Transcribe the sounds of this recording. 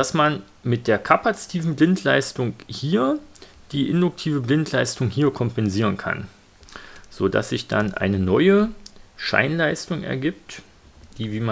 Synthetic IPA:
d̥asman | mɪt̚d̥eːɐkʰapat͡si̥tʰiːvn̩blɪntlaɪstʊŋhiːɐd̥iːʔɪndʊk̚tʰiːvəblɪntlaɪstʊŋhiːɐkʰɔmpɛnziːʁənkʰa̰n | z̥oːda̰sz̥ɪçd̥a̰nʔa̰ɪnənɔʏəʃa̰ɪnlaɪstʊŋɛ̰ɐɡiːp̚t | d̥iːviːma

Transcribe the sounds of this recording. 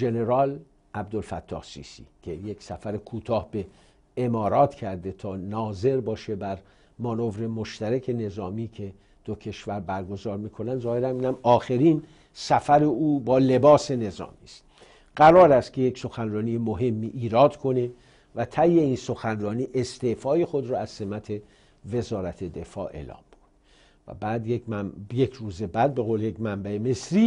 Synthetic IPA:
ʒe̞ne̞ɾɒːl | æb̚d̪olfæt̪ʰːɒ̰ːhsḭːsḭcʰe̞je̞ksæfæɾekʰuːt̪ʰɒːhb̥e̞ | emɒːɾɒːt̪ʰcʰæɾd̪e̞t̪ʰɒːnɒːze̞ɾbɒːʃe̞bæɾ | mɒnovɾe̞moʃt̪æɾækʰe̞ne̞zɒːmiːkʰe | d̪̥ocʰe̞ʃvæɾbæɾɡo̞zɒːɾmiːkʰo̞nænd̪zɒːhe̞ɾænmiːnæmɒːxe̞ɾiːn | sæfæɾe̞uːbɒːle̞bɒːse̞ne̞zɒ̰ːmiːst̪ | ɡ̥æɾɒːɾæst̪kcʰe̞jekso̞xænrɒːniːjemoɦe̞mːiːʔːɾɒːd̪kʰo̞ne̞ | væt̪ʰæjːe̞iːnso̞xænrɒːniːʔe̞st̪efɒːje̞xo̞d̪ɾɒːæz̥se̞mæt̪ʰe̞ | ve̞zɒːɾæt̪ʰe̞d̪e̞fɒ̰ːʔe̞̰ːlɒ̰ːmbu̥d̪̥ | væ̰bæːd̪jejekʰɾuːzebæd̪̚be̞ɣoːlejecmæmbæeme̞sɾiː

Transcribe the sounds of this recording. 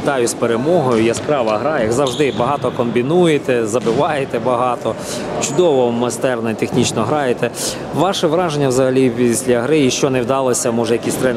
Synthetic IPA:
ɪt̪ɑjʊspeɾemɔɦɔjʊjaspɾɑʋɐɦɾɑjɐɡzɐwʒd̪ɪbɐɦɑt̪ɔkɔmbʲinujet̪ɛzɐbɪʋɑjet̪ɛbɐɦɑt̪ɔ | t͡ʃʊd̪ɔʋɔmɐst̪ɛrnɔit̪exnʲit͡ʃnɔɦɾɑjet̪ɛ | ʋɑʃɛʋɾɑʒenʲːɐwzɐɦɐlʲipʲisʲlʲɐɦɾɪiʃt͡ʃɔnewd̪ɑlˠɔsʲɐmɔʒɛjɐkʲisʲt̪ɾɛn

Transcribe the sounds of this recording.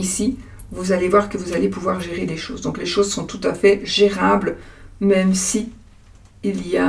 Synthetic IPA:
isi | vuzalevwaʁkəvuzalepuvwaʁʒeʁed̪eʃo̰ːzd̪ɔ̃kleʃozsɔ̃t̪ut̪afɛʒeʁablmɛmsiː | lija

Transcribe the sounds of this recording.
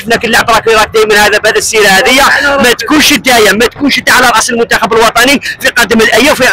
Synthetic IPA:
fnækəlːaʕbɾˤɑkiɾˤɑt̪̚d̪æjmənhæd̪æbæd̪æsːiɾæhæd̪əjːæmæt̪kunʃəd̪ːæjəmːæt̪kunʃəd̪ːaʕlæɾˤʔɑsˤəlmʊnt̪æxæbəlwɑt̪ˤɑnifiqɑd̪ːəməlʔæjːæfi

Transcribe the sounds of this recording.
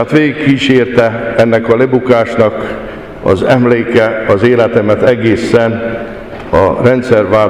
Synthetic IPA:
at̪ʋeːɡikːiːʃeːrt̪ɛɛnːɛkɒlebukaːʃnɒk | ɒ̰zɛmleːkɛɒzeːlɛt̪ɛmɛt̪ɛɡeːsɛn | ɒ̰rɛnt̪sɛrʋaː

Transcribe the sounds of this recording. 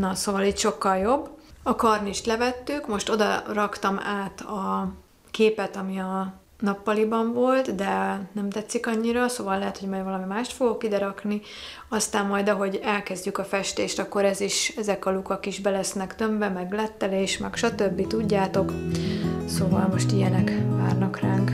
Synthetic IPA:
nɒsoːvɒliːcʃo̞kːɒljo̞bːɒkɒrniʃt̪lɛvɛt̪ːykmo̞ʃt̪o̞d̪ɒ̰rɒkt̪ɒmaːt̪ɒ | keːpɛt̪ɒmiɒ | nɒpːɒlibɒɱvo̞lt̪d̪ɛnɛmt̪ɛt̪sːikɒɲːiɾɒsoːvɒlːɛɦɛt̪ho̞ɟmɒjvɒlɒmimaːʃt̪fo̞ɡokːid̪ɛɾɒkni | ɒst̪aːmːɒjd̪ɒɦo̞ɟɛlkɛzɟykɒfɛʃt̪eːʃt̪ɒkːo̞ɾɛziʃɛzɛkɒlukɒkiʒbɛlɛsnɛkt̪øɱvɛmɛɡlɛt̪ːɛleːʃmɛkʃɒt̪øbːit̪uɟːaːt̪o̞k | soːvɒlmo̞ʃt̪ijɛnɛkva̰ːrnɒkraːŋk

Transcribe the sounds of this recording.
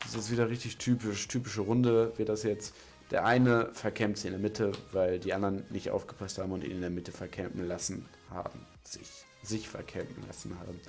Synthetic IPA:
ɪsɛsv̥iːdɐʁɪçtɪçtʰyːpɪʃtʰyːpɪʃəʁʊndəviːɐt̚d̥asjɛt͡st | d̥eːɐʔaɪnəfɛɐkʰɛmtzɪçɪndeɐmɪtʰəvaɪldiːʔandɐnnɪçtʔa̰ʊfɡ̥əpʰasthaːbm̩ʊntḭːnɪndeːɐmɪtəfɛɐkʰɛmfn̩lasn̩ | ha̰ːbm̩ | z̥ɪ̰ç | zɪçfɛ̰ɐkʰɛmfn̩la̰sn̩ha̰ːbm̩

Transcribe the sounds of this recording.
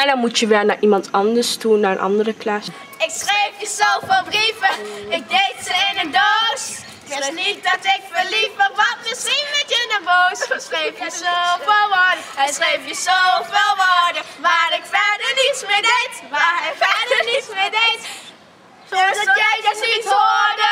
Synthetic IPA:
ɛndɑnmutjəʋɪːɹnaːɹʔimɑntɑndəɹstunaːɹə̰nʔɑ̰ndərəklas | ɪksrejfjəzowvɪːlˠbrivəɪɡ̚dejtsəɪnəndows | ɪnidtɪkfəlifəʋɑt̚mɪsχinmɪtɪnəbowssrejfjəzovelˠʋoːdəsrejfjəzovelˠʋoːdəʋaːɾɪkfɛdənismɪdetʋaɪkfɛdənismɪdet | niodə

